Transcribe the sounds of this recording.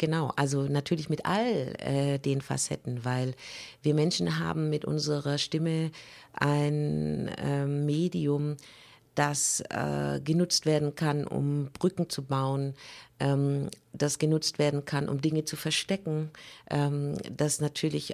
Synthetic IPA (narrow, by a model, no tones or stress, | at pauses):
ɡ̥ənaʊʔalzonatʰyːɐlɪçmɪtʔa̰lʔɛ̰ːdeːnfa̰sɛtn̩vaɪlviːɐmɛnʃn̩ɦa̰ːbm̩mɪtʔʊ̰nzəʁɐʃtɪmə | ʔaɪnɛmeːdiʊm | d̥asʔɛ̰ːɡənʊt͡stv̥eːɐdn̩kʰanʔʊ̰mb̥ʁʏkŋ̩t͡subaʊənʔɛm | d̥asɡ̥ənʊt͡stv̥eːɐdn̩kʰanʔʊ̰mdɪŋət͡sufɛɐʃtɛkŋ̩ʔɛːmd̥asnatʰyːɐlɪç